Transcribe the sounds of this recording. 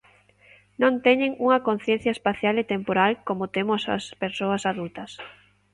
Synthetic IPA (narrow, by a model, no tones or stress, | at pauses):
nõnt̪ɛɲeŋuŋɐkon̟θjɛ̃n̟θjɐespaθjalet̪empoɾalkomot̪emʊsɐ̰speɾsoɐsaðult̪ɐs